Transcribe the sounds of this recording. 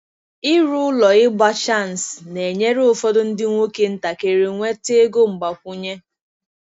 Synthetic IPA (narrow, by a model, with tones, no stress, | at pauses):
ɪ˦ɾu˦lɔ˨ɪ˦ɡ͡ba˦t͡ʃa˦˨n˨sne˨ɲe˦ɾe˦ʊ˨fɔ˦dʊ˦n̩˦dɪ˦ŋʷo˦ke˦n̩˦ta˨ke˨ɾi˨ŋʷe˦te˦ɡo˦ŋ͡m̩˨ɡ͡ba˨kʷu˦ɲe˦